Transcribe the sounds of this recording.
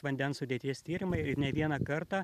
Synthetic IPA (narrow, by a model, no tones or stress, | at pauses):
ʋɐnʲd̪ʲɛnssʊd̪ʲeɛt̪ʲiɛsʲt̪ʲiːɾʲɪmɐɪɪɾnʲɛʋʲiɛnɐkɐɾt̪ɑ